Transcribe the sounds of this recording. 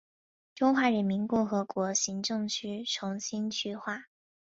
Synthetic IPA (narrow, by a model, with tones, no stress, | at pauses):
ʈ͡ʂʊ˥ŋxwa˧˥ɻə˧˥nmi˧˥nkʊ˥˩xɤ˧˥kwɔ˧˥ɕi˧˥ŋʈ͡ʂɤ˥˩ŋt͡ɕʰy˥ʈ͡ʂʰʊ˧˥ŋɕi˥nt͡ɕʰy˥˧xwa˥˩